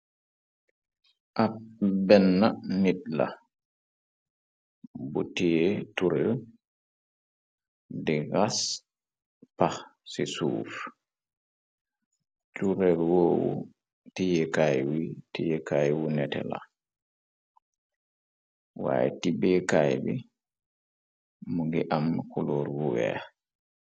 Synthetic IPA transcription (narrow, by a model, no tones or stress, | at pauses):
ʔap̚bɛnːanit̚la̰ | butijɛtuɾɛl | diɣas | paxsisṵːf | tuɾɛlwoːwṵ | tijɛkajwitijɛkajwunɛtɛ̰la̰ | wa̰jɛ̰tibɛkajbi | muɡiʔamkulɔɾwuwɛ̰